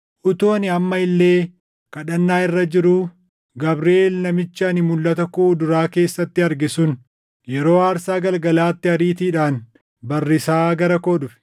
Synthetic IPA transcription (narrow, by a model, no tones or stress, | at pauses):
ʔʊt̪oːnɪɐmːɐɪlːe̞ː | kɐᶑɐnːaːɪrːɐd͡ʒɪɾuː | ɡɐbɾeːlnɐmɪt͡ʃːɐɐnɪmʊlːɐt̪ɐkuːd̪ʊɾaːke̞ːsːɐt̪ːɪɐɾɡɪsʊn | jɛɾo̞ːaːɾsaːɡɐlɡɐlaːt̪ːɪɐɾiːt̪iːᶑaːn | bɐrːɪsaːɡɐɾɐko̞ːᶑʊfɛ̥